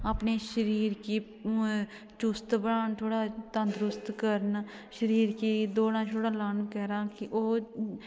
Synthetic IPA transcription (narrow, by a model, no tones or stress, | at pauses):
əpneʃəɾiːɾki | t͡ʃʊst̪bəɽaːnt̪ʰoːɽat̪ə̃nd̪ɾʊst̪kəɾn | ʃəɾiːɾkid̪oːɽãːt͡ʃʰoːɽaːlaːnkɛɦɾaːkiʔoː